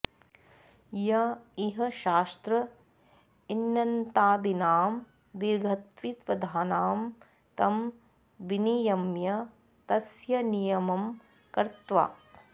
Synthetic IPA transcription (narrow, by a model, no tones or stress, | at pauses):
jɐiɦɐ̆ʃaːst̪ɾɐ | inːɐnt̪aːd̪inaːm | d̪iɾɡʱɐt̪ʋit̪ʋɐd̪ʱaːnaːm | t̪ɐm | ʋinijɐmjɐ | t̪ɐsjɐnijɐmɐm | kɐɾt̪ʋa̰ː